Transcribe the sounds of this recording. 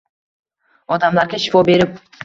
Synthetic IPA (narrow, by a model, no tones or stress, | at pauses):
ɒd̪amlaɾɡʲaʃɪ̥fɒbe̞ɾɪp̚